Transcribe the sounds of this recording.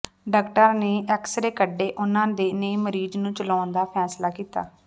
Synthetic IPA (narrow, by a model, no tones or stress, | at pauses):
ɖəːkʈəɾneːʔɛksɾeːkəɖːeːʔʊnãːd̪eːneiːməɾiːd͡ʒnũːt͡ʃəlaːnd̪aːpʰɛːslaːkiːt̪a̰ː